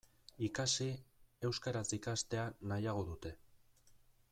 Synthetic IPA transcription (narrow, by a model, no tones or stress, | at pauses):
ikasie̞wskaɾat͡sikast̪e̞anajaɣ̞o̞ðut̪e̞